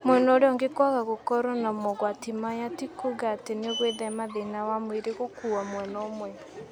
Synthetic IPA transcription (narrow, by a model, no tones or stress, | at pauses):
mwɛnɔoɾeɔŋɡekwaɣaɣokɔɾɔnamɔɣwatimajatikuɣaːteneɣweðɛmaðenawamweɾeɣokuamwɛnɔomwɛ